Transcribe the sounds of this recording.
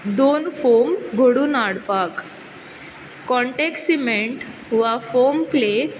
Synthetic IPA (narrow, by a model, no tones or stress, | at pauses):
d̪onfɔɾmɡʱoɽuːnaɽpak | kɔ̃ɳʈeksimeɳʈʋafɔmkle